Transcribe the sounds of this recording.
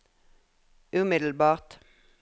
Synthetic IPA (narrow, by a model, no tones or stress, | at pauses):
ʉːmɪd̪l̩bɑːʁt̪